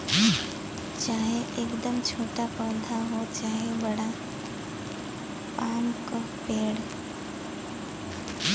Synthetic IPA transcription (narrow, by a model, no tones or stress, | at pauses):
t͡ʃaːɦeʔekd̪əmt͡ʃʰoːʈapəːd̪ʱaɦot͡ʃaːɦebəɽa | paːmkapeːɽ